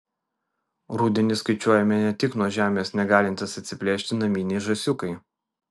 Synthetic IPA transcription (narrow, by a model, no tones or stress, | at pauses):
ɾuːd̪ʲɛnʲɪskɐɪt͡ʃʲuɔjɛmʲɛnʲɛt̪ʲɪknuɔʒʲæːmʲeːsnʲɛɡɑːlʲɪnʲt̪ʲɪsɐt̪ʲsʲɪpʲlʲeːʃʲt̪ʲɪnɐmʲiːnʲɛɪʒɐsʲʊkɐɪ